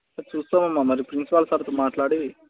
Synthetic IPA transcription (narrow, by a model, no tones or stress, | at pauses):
sɐt͡ʃuːst̪aːmɐmːamɐɾipɾinsipaːlsaːɾɐt̪oːmaːʈlaːɽi